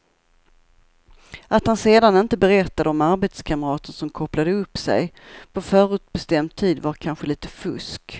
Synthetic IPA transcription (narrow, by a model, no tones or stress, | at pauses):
ʔat̪hanseːd̪anɪnt̪əbɛɾɛt̪ːad̪əɔmaɾbet̪skʰaməɾɑːt̪ənsɔmkʰɔplad̪əɵpːsɛ̰jpʰɔfœːɾʉ̟ːt̪̚bɛst̪ɛmd̪̚t̪ʰiːd̪vaɾkʰanɧəliːt̪ə̥fɵsk